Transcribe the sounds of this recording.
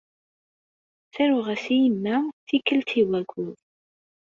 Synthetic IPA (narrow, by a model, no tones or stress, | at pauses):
θæɾʊʁæsijəmːæθikːəlt̪iwæɡʷuð